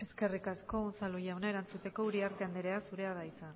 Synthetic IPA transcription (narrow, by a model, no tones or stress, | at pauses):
e̞ske̞rikasko̞unsalujawnae̞ɾant͡sut̪e̞ko̞uɾiaɾt̪e̞and̪iɾe̞asuɾe̞að̞aisan